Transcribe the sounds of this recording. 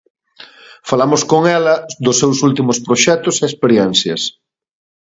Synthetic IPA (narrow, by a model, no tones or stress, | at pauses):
falamʊskoŋɛlɐd̪ʊsːewsult̪imʊspɾoʃɛt̪ʊseespeɾjɛn̟θjɐ̰s